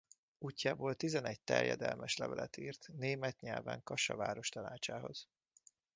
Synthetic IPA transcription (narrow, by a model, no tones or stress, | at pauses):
uːcːaːboːlt̪izɛnɛɟ̚t̪ɛ̰rjɛ̰d̪ɛlmʔɛʃlɛvɛlɛt̪iːrt̪neːmɛt̪ɲɛlvɛŋkɒʃɒvaːɾo̞ʃt̪ɒnaːt͡ʃaːɦo̞z̥